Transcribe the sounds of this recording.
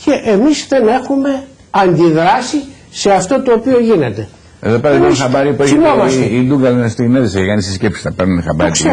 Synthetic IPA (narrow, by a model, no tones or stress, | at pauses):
ceʔemisðe̞ne̞xume̞ | ɐnd̪iðɾɐsi | se̞ɐft̪o̞t̪oːpio̞ʝine̞t̪e̞ | e̞̰ðo̞peɾɐðikonxɐbɐɾipuesimoɐsid̪uŋɡɐlenɐst̪ineðisecekɐnisiscepsi̥t̪ɐpɐɾnunexɐbɐɾiks